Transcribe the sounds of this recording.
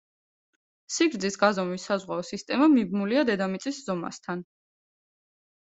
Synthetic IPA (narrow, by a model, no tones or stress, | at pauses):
siɡɾd̪zisɡazɔmisazʁwaɔsist̪ʼɛmamibnuliad̪ɛd̪amit̪sʼisz̥ɔma̰st̪ʰan